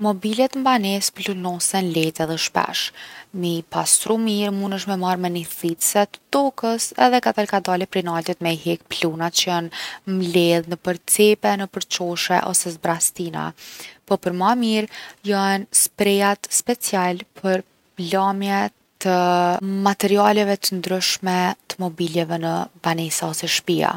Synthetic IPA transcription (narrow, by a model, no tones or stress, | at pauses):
mɔbilɛt̪mbanɛsplunɔsɛnlɛt̪ɛðɛʃpɛ̰ʃmipast̪ɾumiɾmunəʃmɛmaɾmɛniθit̪sɛt̪d̪ɔkəsɛ̰ðɛkat̪alkad̪alɛpɾinalt̪ɛt̪mɛɦɛk̚plunat̪̚t͡ʃəənmlɛðnəpəɾt͡sɛpɛnəpəɾt͡ɕɔʃɛ̰ʔɔsɛzbɾast̪ina̰pɔpəɾmamiɾjɔnspɾɛjat̪spɛt͡sjalpʰəɾ | plamjɛ | t̪əmat̪ɛɾialɛvɛt̪ənd̪ɾyʃmɛt̪ə̥mɔbiljɛvɛnəbanɛsaɔsɛʃpia̰